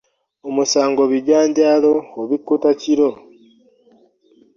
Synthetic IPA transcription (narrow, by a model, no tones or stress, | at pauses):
omusaːŋɡo̞βiɟaːɲɟaːlo̞ːβikːutaciɾo̞